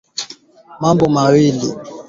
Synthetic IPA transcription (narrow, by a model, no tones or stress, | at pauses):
mambɔmawili